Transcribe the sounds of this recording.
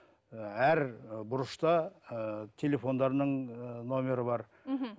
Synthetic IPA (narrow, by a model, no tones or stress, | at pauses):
æɾbʊɾəʃt̪ɑ | t̪ʰe̞le̞fo̞nd̪ɑɾnəɴno̞mʲe̞ɾəbɑɾ